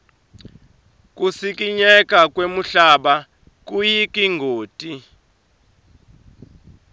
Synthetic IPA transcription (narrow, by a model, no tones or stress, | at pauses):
k̬ʼusik̬ʼiɲɛk̬ʼak̬ʼwemuɬaɓa | k̬ʼujikʼiŋɡʱoːtʼi